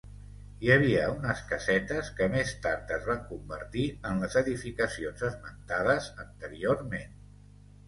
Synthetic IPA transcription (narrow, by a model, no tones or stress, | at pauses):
iəβ̞iəunəskəsɛt̪əskəmest̪aɾt̪əzβaŋkumbə̰ɾt̪iənləzəðifikəsionzəzmənt̪aðəzənt̪əɾioɾmen